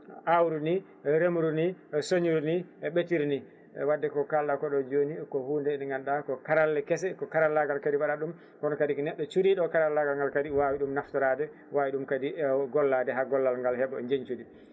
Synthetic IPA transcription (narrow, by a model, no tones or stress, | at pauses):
ʔawɾuni | ɛɾemuɾuniɛsoɲuɾuniɛɓetiɾni | ɛ̰wadːɛkɔkalɗakɔɗɔd͡ʒonikɔhuːndɛnɛŋɡanɗakɔkaɾalːɛkɛs̬ɛkɔkaɾalːaɡalkadiwaɗaɗum | kɔnɔkadiknɛɗːɔt͡ʃuɾiɗɔkaɾalːaɡalŋɡalkadiwawiɗumnaftɔɾadɛ | wawiɗumkadiɡɔlːadɛɦaɡɔlːalŋɡalhɛɓɔɛɲd͡ʒeɲt͡ʃudi